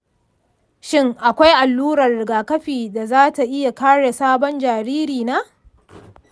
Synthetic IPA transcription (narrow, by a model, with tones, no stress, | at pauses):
ʃɪ˦ŋʔa˨kʷa˦jʔa˨lːuː˦ɾɐ˨rɽɪ˨ɡaː˨kɐ˦ɸiː˨da˨zaː˦ta˨ʔɪ˦ja˨kaː˦ɽe˨saː˦bɔ˦nd͡ʒaː˨ɾiː˦ɾiː˨naː˦